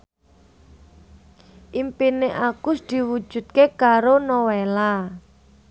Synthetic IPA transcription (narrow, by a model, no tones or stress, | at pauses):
ʔimpineʔakʊsd̪̥i̤wud̥ʒ̥ṳt̪̚kekaɾonowela